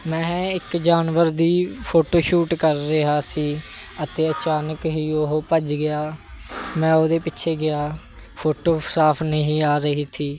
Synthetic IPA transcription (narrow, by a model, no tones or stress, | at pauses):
mɛ̃ːɪkd͡ʒaːnʋəɾd̪iːpʰoːʈoːʃuːʈkəɾːɪɦaːsiːət̪eːət͡ʃaːnəkɦiːoɦopəd͡ʒɡɪaːmɛ̃ːoːd̪eːpɪtːʃʰeːɡɪaː | pʰoːʈoːsaːpʰnəɦĩːaːɾəɦiːt̪ʰiː